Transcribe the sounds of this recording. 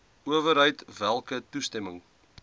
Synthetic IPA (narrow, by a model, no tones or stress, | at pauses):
uəvəɾɦəjtvælˠkətustɛməŋ